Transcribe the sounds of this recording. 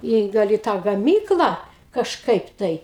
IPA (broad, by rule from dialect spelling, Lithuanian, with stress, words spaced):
ˈiː ˈɡɐlˠ iː ˈtɑː ɡɐˈmʲiːklˠɑː kɐʃˈkɐɪp ˈtɐɪ